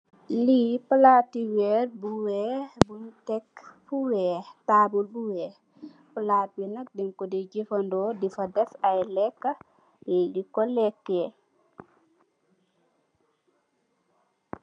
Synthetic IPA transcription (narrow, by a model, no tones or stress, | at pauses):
lipəlatiwɛɾbuwɛbuntɛkfuwɛtaːbulbuwɛ | pəlat̚binak̚dɛŋkɔdid͡ʒifandɔdifadɛsajlɛkːa | jɛdikɔlɛkːɛ